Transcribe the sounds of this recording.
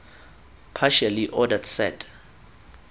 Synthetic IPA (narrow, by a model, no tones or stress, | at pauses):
pʰaʃaliʔɔdadsɛ̰tʰʼ